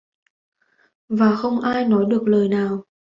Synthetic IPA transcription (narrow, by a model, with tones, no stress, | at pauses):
vaː˨˩xə˧wŋ͡mʔaː˧jnɔ˨˦jɗɨ˨˩ək̚ləː˨˩jnaː˨˩w